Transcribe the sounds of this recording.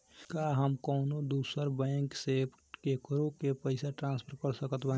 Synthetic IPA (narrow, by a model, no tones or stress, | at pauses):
kaɦəmkəʊnod̪uːsəɾbɛ̃ŋksep | kekɾokepəɪsaʈɾãːnspʰəɾkəɾsəkət̪ba